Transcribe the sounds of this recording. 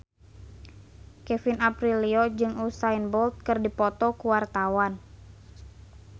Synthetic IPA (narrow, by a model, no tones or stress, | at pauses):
kɛfinapɾiliɔd͡ʒɨŋusainbɔlt̪̚kɨrdipɔt̪ɔkuwart̪awan